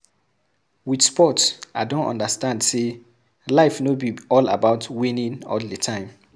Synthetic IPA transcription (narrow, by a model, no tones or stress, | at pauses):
wid̥spɔtsaɪdõntɔ̰̃ndəstãndse | laɪfnobiɔla̰baʊtwĩnĩnɔ̰ldətʰãɪ̃m